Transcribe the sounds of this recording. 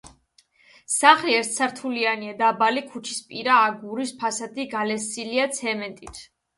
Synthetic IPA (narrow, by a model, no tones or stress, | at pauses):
saχliɛɾt̪sʰaɾt̪ʰulianiad̪abalikʰut͡ʃʰi̥spʼiɾaːɡuɾispʰasad̪iɡalɛsiliat̪sʰɛmɛnt̪ʼit̪ʰ